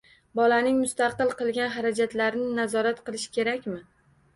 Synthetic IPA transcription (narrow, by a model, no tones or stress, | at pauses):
bɒlanɪŋmʊst̪aqɨlˠqɨlˠɡʲanɦaɾad͡ʒat̪laɾnɪnazɒɾat̪qɨlˠɪʃɪ̥kʲe̞ɾakʲmɪ